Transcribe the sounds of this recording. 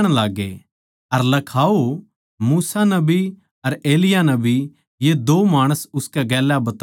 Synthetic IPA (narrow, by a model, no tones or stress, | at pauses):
ɽ̃laːɡḛ | ɐɾlɐkʰaːo | muːsanɐbʱi | ɐɾeːlɪjanɐbʱi | jed̪oːmaːɽ̃əsʊskɛɡɛːlːabɐt̪